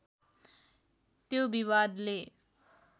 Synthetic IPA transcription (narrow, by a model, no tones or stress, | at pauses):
t̪jobiwad̪le